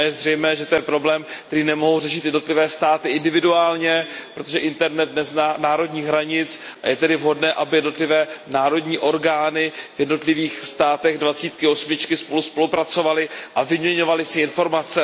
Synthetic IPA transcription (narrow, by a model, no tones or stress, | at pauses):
jɛzrɛjmɛːʒɛt̪o̞jɛpɾo̞blɛːmk̚t̪ɛɾiːnɛmo̞ɦowrɛʃɪt̪jɛdno̞t̪lɪvɛːst̪aːt̪ɪʔɪndɪvɪduaːlɲɛpɾo̞t̪o̞ʒɛʔɪnt̪ɛɾnɛt̪̚nɛznanaːɾo̞dɲiːɣɦɾaɲɪt͡s | ʔa̰jɛt̪ɛdɪvɦo̞dnɛːʔabɪjɛdno̞t̪lɪvɛːnaːɾo̞dɲiːʔo̞ɾɡaːnɪvjɛdno̞t̪lɪviːxst̪aːt̪ɛɣdvat͡siːt̪kɪo̞smɪt͡ʃkɪspo̞luspo̞lupɾat͡so̞valɪʔavɪmɲɛɲo̞valɪsɪɪnfo̞ɾmat͡sɛ